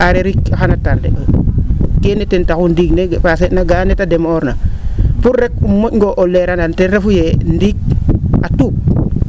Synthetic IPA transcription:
aɾeɾikaxanatandḛ | kenetentakundiknepasenaɡanetademoɾnapuɾːek̚umːoŋɡoʔolːeɾanantenɾefujendik̚atuk̚

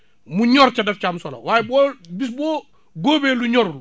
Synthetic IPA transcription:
muɲɔɾt͡ʃadɛft͡ʃamsɔla̰waːjɛbɔːbisbɔː | ɡoːbeːluɲɔɾlu

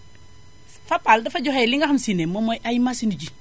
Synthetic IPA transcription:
fapaldafad͡ʒɔxejliŋɡaxamsinemːomojʔajmasinud͡ʒi

